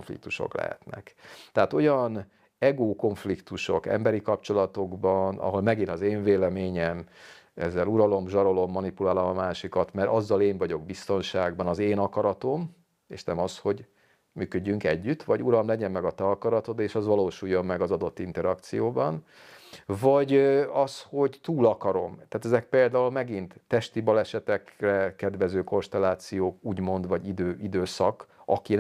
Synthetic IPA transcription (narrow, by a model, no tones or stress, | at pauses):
ɱflḭk̚t̪uʃo̞̰klɛ̰ɦɛ̰t̪nɛ̰kt̪ɛaːt̪o̞jɒn | ɛɡoːko̞ɱflikt̪uʃo̞̰kɛ̰mbɛɾikɒpt͡ʃo̞lɒt̪o̞ɡbɒnɒ̰ɦo̞lmɛɡinɒzeːɱveːlɛmeːɲɛmɛ̰zːɛluɾɒlo̞mʒɒɾo̞lo̞mːɒnipulaːlomɒmaːʃikɒt̪mɛɾʔɒzːɒleːɱvɒɟo̞ɡbist̪o̞nʃaːɡbɒnɒzeːnɒkɒɾɒt̪o̞m | ḛːʃnɛmɒsho̞ɟ | myːkø̞ɟːyŋkɛɟːyt̪ːʋɒɟuɾɒmlɛɟɛnmɛɡɒt̪ɛɒkɒɾɒt̪o̞d̪eːʃɒzʋɒloːʃuːjːo̞mːɛɡɒzɒd̪o̞t̪ːint̪ɛɾɒkt̪sijoːbɒn | vɒɟɒsho̞ɟt̪uːlɒkɒɾo̞mt̪aːt̪ɛzɛk̚peːld̪aːulmɛɡint̪ːɛʃt̪ibɒlɛʃɛt̪ɛkrɛkɛd̪ʋɛzøːko̞nʃt̪ɛlːaːt̪sijoːkuːɟmo̞nd̪ʋɒɟid̪øːid̪øːsɒkɒ̰ki